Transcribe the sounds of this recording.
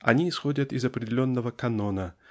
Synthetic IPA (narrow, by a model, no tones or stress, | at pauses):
ɐ̰nʲiːsxo̞dʲət̪ɪzɐpɾʲɪdʲɪlʲo̞nːəvəkɐno̞nə